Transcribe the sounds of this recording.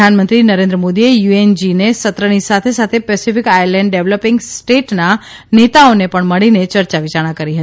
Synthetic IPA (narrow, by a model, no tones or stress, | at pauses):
anmə̃nt̪ɾinəɾẽnd̪ɾəmod̪iejuend͡ʒinesət̪ɾənisat̪ʰesat̪ʰepɛsifikajəɾlɛɳɖɖeʋləpɪŋɡsʈeʈna | net̪aonepəɳməɭinet͡ʃəɾt͡ʃaʋit͡ʃaɽ̃ãkəɾiɦət̪i